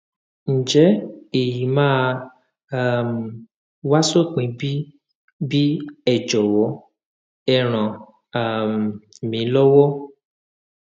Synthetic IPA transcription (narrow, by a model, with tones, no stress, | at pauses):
n̩˨d͡ʒɛ˨˦e˨ji˨˦mãː˦˧ | a˦˨m˨ | wa˦so˦˨k͡pĩ˨˧bi˦ | bi˦ɛ˦˨d͡ʒɔ˨wɔ˨˦ | ɛ˦˨ɾ̃ã˨ | a˨m˨mĩ˨˦lɔ˦wɔ˦